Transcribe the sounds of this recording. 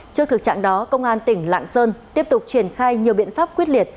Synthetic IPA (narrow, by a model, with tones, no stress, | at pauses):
t͡ɕɨ˧ət̪ɨ˨˩k̚t͡ɕa̰ː˧˨ŋɗɔ˨˦kə˧wŋ͡mʔaː˧nt̪ï˧˩ŋ̟la̰ː˧˨ŋsəː˧nt̪i˦˥əp̚t̪ʊ˨˩k͡p̚t͡ɕi˧˩ənxaː˧jɲi˨˩əwɓḭ˧˨ənfaː˦˥p̚kwi˦˥ət̚li˨˩ət̚